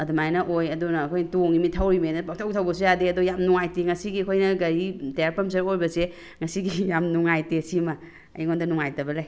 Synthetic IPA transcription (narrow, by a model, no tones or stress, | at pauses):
ɐdumajnɐʔojɐdunɐːkʰojntoŋimitʰawɾimeenɐpɐk̚tʰawtʰawbɐsujadeɐdojamnuŋajtiŋɐsiɡikʰojnɐɡɐɾitejaɾpɐms̬ɐɾojbɐse | ŋɐsiɡijamnuŋajtesimɐ | ɐ̰jŋondɐnuŋajtɐbɐlaj